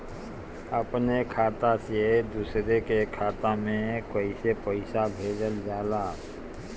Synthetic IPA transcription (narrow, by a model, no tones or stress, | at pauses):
əpnekʰaːt̪ased̪uːsɾekekʰaːt̪amẽkəisepəɪsabʱeːd͡ʒəld͡ʒaːlaː